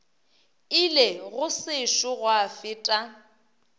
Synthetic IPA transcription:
ɪleɣʊsɪʃʊɣwafɪːtʼa

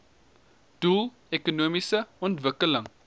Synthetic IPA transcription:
d̥ulˠ | ɛkunuəmisəɔntvəkələŋ

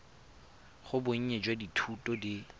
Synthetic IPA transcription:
χʊbʊɲ̩ɲed͡ʒwaditʰutʼɔdi

